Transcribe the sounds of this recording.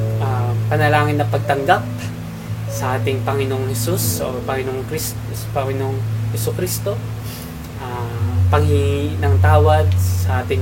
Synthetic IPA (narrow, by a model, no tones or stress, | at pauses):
ʔapɐnɐlaːŋɪnːɐpɐɡ̚t̪ɐŋɡap̚ | sɐʔaːt̪ɪŋpɐŋɪnohɛsuso̰pɐŋɪnokɾis | pɐŋɪnoŋhɛsukɾist̪o̞ | ʔapɐŋhiŋnɐŋt̪aːwɐd̪̚sɐʔaːt̪ɪŋ